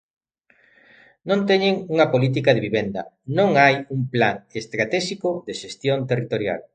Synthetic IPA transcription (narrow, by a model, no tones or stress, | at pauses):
nõnt̪ɛɲeŋuŋɐpolit̪̬ikaðeβiβend̪ɐ̰ | nõŋajuŋpla̰ŋest̪ɾat̪ɛʃikoðeʃest̪jont̪erit̪oɾja̰l